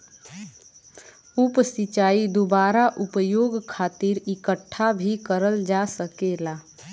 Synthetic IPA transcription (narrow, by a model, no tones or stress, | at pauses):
upsit͡ʃaːid̪obaːɾaʔupəjoːɡkʰaːt̪iɾikəʈʰːabʱikəɾəld͡ʒasəkela